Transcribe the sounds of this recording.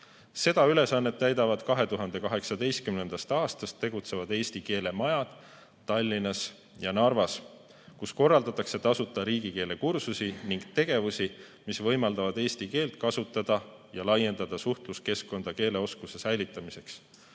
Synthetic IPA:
se̞d̪̥ɑyle̞sɑnːet̪ːæjd̪ɑvɑd̪̥kɑɦe̞t̪uɦɑnd̪̥e̞kɑɦe̞ksɑd̪e̞jst̪kymne̞nd̪̥ɑst̪ɑːst̪ɑst̪ːe̞ɡ̥ut̪se̞vɑd̪e̞ːst̪ike̞ːle̞mɑjɑd̪̥ | t̪ːɑlʲːinɑs | jɑnɑrvɑs | kusko̞rːɑld̪̥ɑt̪ːˑɑkse̞t̪ːɑsut̪ˑːɑɾiːɡ̥ike̞ːle̞kursusiniŋɡ̥t̪e̞ɡ̥e̞vusi | misvɤ̞jmɑld̪ɑvɑd̪e̞ːst̪ike̞ːlt̪kɑsut̪ːˑɑd̪̥ɑ | jɑlɑje̞nd̪ɑd̪̥ɑsuht̪luske̞skːo̞nd̪̥ɑke̞ːle̞o̞skuse̞sæjlit̪ːˑɑmise̞ks

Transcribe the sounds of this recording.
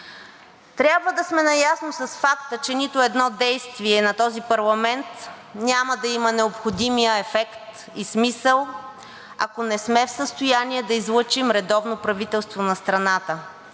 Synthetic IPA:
t̪ɾʲabvəd̪ɐsmɛnɐjasnosɐsfakt̪ət͡ʃɛnit̪oɛd̪nɔd̪ɛjst̪viɛnɐt̪ɔzipɐɾlˠɐmɛnt̪ | nʲaməd̪ɐimənɛopxod̪imijəɛfɛkt̪ | ismisəlˠ | ɐ̰konɛsmɛfsəst̪ojaniɛd̪ɐizlˠɤt͡ʃimɾɛd̪ɔvnopɾɐvit̪ɛlˠst̪vonɐst̪ɾɐnat̪ə

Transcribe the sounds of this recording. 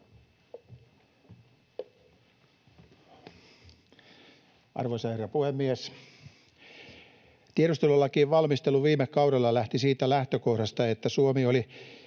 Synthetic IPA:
ʔɑ̰rʋoisɑherːɑpuhemːies | t̪ieɾust̪elolːɑkiːʋʋɑlmist̪elːuʋiːmekkɑuɾelːɑlæht̪isiːt̪ælæht̪økohɾɑst̪ɑet̪ːæsuomioli

